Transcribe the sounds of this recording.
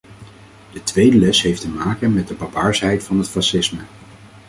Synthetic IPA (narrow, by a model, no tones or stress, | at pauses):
d̥ətʋejdəlɛsɦejftəmaːkənmɛt̚dəbɑbaːɹsɦɛjtfɑnɦətfɑsɪsmə